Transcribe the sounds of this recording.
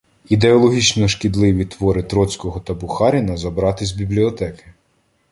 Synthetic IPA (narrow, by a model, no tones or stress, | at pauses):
id̪eɔlˠɔɦʲit͡ʃnɔʃkʲid̪lˠɪʋʲit̪ʋɔɾɪt̪ɾɔt͡sʲkɔɦɔt̪ɐbuxɑɾʲinɐzɐbɾɑt̪ɪzʲbʲiblʲiɔt̪ɛkɪ̥